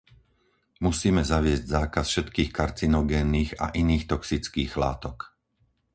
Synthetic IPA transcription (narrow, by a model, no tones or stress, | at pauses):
musiːmɛzaʋɪɛzɟzaːkasfʃɛt̪kiːxkaɾt͡sinɔɡɛːnːiːɣa̰ʔiniːxt̪ɔksit͡skiːɣla̰ːt̪ɔk